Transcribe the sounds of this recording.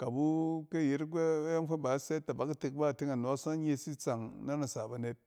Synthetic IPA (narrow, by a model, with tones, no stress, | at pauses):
ka˨bu˦ke˦˨je˨ɾɡʷe˦ja˦ŋ˦fe˦ba˨˦se˦ta˨ba˨˦ka˦te˦˨k̚ba˦˨ti˦ŋa˨no˨˦sɲ˦e˦si˦t͡sa˨ŋna˦na˨sa˨ba˨ne˦t̚